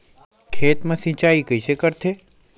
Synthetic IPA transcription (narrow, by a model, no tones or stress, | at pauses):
kʰeːt̪mɐ̃sĩt͡ʃaːikəisekəɾt̪ʰeː